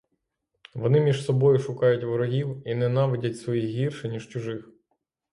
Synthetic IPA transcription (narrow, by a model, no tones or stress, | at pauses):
ʋɔnɪmʲiʒsɔbɔjʊʃʊkɑjʊtʲʋɔɾɔɦʲiwinɛnɑʋɪdʲɐtʲsʋɔjixɦʲirʃɛnʲiʃt͡ʃʊʒɪx